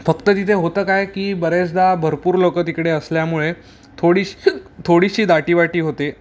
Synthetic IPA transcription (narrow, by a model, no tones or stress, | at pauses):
fəkt̪ət̪it̪ʰeɦot̪əːkajkiːbəɾet͡sd̪abʱəɾpuːɾlokət̪ikɽeəsljamuɭe | t̪ʰoɽiɕt̪ʰoɽiɕiːd̪aʈiːʋaʈiːɦot̪e